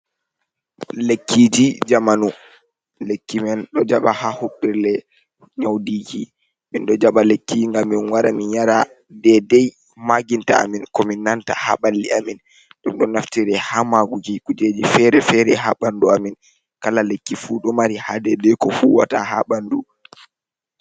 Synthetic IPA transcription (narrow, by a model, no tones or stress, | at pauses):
lekːid͡ʒid͡ʒamanu | lekːimɛnɗɔd͡ʒaɓahahoɓɛɾlɛ | ɲawdiːki | minɗɔd͡ʒaɓalekːiŋɡamːinwaɾaminjaɾa | dɛdɛj | maɡinta̰a̰minkɔminːantaha̰ɓalːiamin | ɗumɗɔnaftiɾɛhamaɡuɡikud͡ʒed͡ʒifɛɾɛfɛɾɛɦaɓanduamin | kalalekːifuɗɔmaɾihadɛdɛjkɔfuwa̰taha̰ɓandu